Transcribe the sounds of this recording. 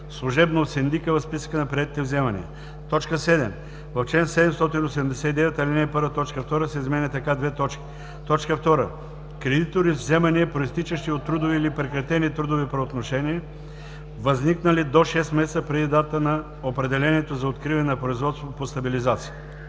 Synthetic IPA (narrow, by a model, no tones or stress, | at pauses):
slˠuʒɛbnot̪sɛnd̪ikəvɐspisə̥kənɐpɾʲiɛt̪it̪ɛvzɛmɐnḭɛ̰ | t̪ɔt͡ʃkəsɛd̪ɛm | vɐft͡ʃlɛnsɛd̪ɛmst̪ɔt̪inosɛd̪ɛmd̪ɛsɛt̪id̪ɛvɛt̪ɐlinɛpɤɾvət̪ɔt͡ʃkəft̪ɔɾəsɛizmɛnʲət̪ɐkad̪vɛt̪ɔt͡ʃkʲi̥ | t̪ɔt͡ʃkəft̪ɔɾə̰ | kɾɛd̪it̪oɾivzɛmɐniɛpɾoist̪it͡ʃəʃt̪iot̪ːɾud̪oviːlipɾɛkɾɐt̪ɛnit̪ɾud̪ovipɾɐot̪noʃɛniɛ | vɐzniknəlid̪oʃɛst̪mɛst̪əpɾɛd̪id̪at̪ənɐ | opɾɛd̪ɛlɛniɛt̪ozɐot̪kɾivɐnɛnɐpɾoizvɔt̪st̪votpost̪ɐbilizat̪si̥j